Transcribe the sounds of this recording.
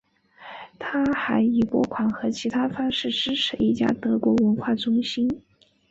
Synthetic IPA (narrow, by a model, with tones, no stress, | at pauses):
t̪ʰa˥xa˧˥ɪi˨˩pwɔ˥kʰwa˨˩nxɤ˧˥t͡ɕʰi˧˥t̪ʰa˥fɑ˥ŋʂɻ̩˥˩ʈ͡ʂɻ̩˥ʈ͡ʂʰɻ̩˧˥i˥˩t͡ɕja̰˥t̪ɤ˧˥kwɔ˧˥wə˧˥nxwa˥˩ʈ͡ʂʊ˥ŋɕi˥n